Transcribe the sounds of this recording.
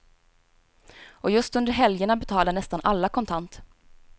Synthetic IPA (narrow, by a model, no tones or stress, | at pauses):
ʔɔjɵst̪ɵnd̪əɾɦɛljəɳabɛt̪ʰɑːlaɳɛst̪anʔalːakʰɔnt̪ʰant̪